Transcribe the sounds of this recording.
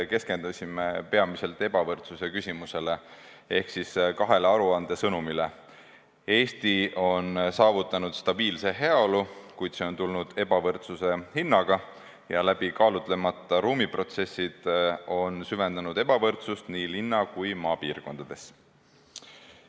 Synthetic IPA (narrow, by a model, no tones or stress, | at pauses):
ke̞ske̞nd̪̥ɑsʲimepe̞ɑmise̞lt̪e̞b̥ɑvɤrt̪suse̞kysʲimuse̞le | e̞hksiskɑɦe̞leɑɾuɑnd̪̥e̞sɤnumile | e̞ːst̪io̞nsɑːvut̪ːˑɑnud̪̥st̪ɑb̥iːlse̞ɦe̞ɑo̞lukujd̪̥se̞o̞nt̪ulnud̪̥e̞bɑvɤrt̪suse̞hinːɑɡ̥ɑ | jɑlæb̥ikɑːlut̪ˑle̞mɑt̪ːˑɑɾuːmipro̞t̪se̞sːid̪̥o̞nsyve̞nd̪̥ɑnud̪̥e̞b̥ɑvɤrt̪sust̪niːlinːɑkujmɑːpiːrko̞nd̪̥ɑd̪̥e̞s